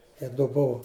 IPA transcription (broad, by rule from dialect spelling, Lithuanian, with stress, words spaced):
ɪ dʊ ˈbʊʋʊ